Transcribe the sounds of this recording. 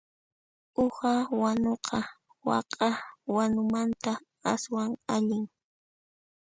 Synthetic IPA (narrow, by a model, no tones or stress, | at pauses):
ʊhawanoqʰɑ | wɑ̰qʼɑwanʊmant̪a | aswaŋaʎɪŋ